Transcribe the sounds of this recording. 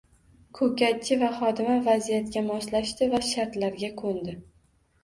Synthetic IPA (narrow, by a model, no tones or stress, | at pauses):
kʰɵkʲat͡ʃʰːɪvaχɒd̪ɪmavazijat̪kʲamɒslaʃt̪ɪvaʃaɾt̪laɾɡʲakʰond̪ɪ